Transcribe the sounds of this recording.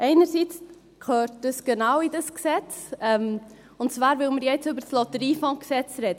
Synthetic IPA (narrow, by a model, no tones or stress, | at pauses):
ʔɛɪnəɾsiːt͡s | kʰøːɾtd̥əsɡ̥ənawidəsksɛt͡sɛm | ʊntt͡svaːɾvɪlməɾjɛt͡sʏbəɾslɔtəɾiːfɔ̃ksɛt͡sɾɛːd̥ə